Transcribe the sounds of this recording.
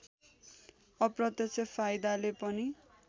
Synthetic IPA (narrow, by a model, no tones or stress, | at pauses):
ʌprʌt̪jʌsʰʌpʰajd̪alepʌni